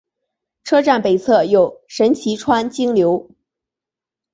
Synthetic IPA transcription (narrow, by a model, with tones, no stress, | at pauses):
ʈ͡ʂʰɤ˥ʈ͡ʂa˥˩npe˨˩ɪt͡sʰɤ˥˧jo˨˩ʊʂə˧˥nt͡ɕʰi˧˥ʈ͡ʂʰwa˥nt͡ɕi˥ŋljo˧˥ʊ